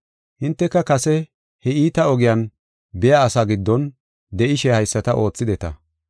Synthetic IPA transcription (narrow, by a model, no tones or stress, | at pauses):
hɪnt̪ːɛkːɐkɐsɛ | hɛiːt̪ɐɔɡɪjɐn | bɪjaːsaɡɪd̪ːɔn | d̪ɛʔɪʃɛhɐjsːɐt̪ɐʔo̞ːt͡sːɪd̪ɛt̪ɐ